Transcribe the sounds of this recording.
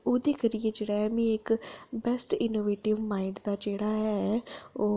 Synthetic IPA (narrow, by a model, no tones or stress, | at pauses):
oːd̪eːkəɾijed͡ʒeːɽaːɦɛmĩɪkbɛsʈɪnoːʋeːʈɪʋmaːɪɳɖd̪aːd͡ʒeːɽaːɦɛ | oː